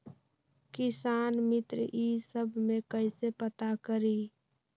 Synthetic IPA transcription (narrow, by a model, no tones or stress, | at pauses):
kɪsaːnmɪt̪ɾiːsəbʱmẽkəɪsepət̪akəɾi